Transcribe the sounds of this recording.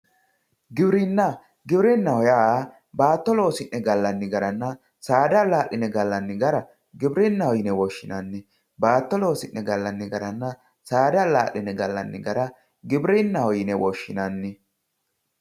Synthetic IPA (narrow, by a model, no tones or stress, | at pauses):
ɡɪbɾɪnːɐ | ɡɪbɾɪnːɐhɔjaː | baːt̪ːɔlo̞ːsɪnːɛɡɐlːɐnːɪɡɐɾɐnːɐ | saːd̪ɐlaːʔɪnɛɡɐlːɐnːɪɡɐɾɐ | ɡɪbɾɪnːɐhɔjɪnɛwɔʃːɪnɐnːɪ | baːt̪ːɔlo̞ːsɪnːɛɡɐlːɐnːɪɡɐɾɐnːɐ | saːd̪ɐlaːlːɪnɛɡɐlːɐnːɪ̰ɡɐɾɐ | ɡɪbɾɪnːɐhɔjɪnɛwɔʃːɪnɐnːɪ